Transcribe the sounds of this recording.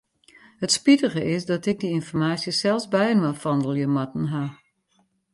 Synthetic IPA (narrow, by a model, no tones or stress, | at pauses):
hətspitəɣəʔɪsdɔtɪɡ̚diɪnfɔrmaːsjəsɛlˠsbɛjənʋafɔndəl̩ˠjəmatn̩ɦa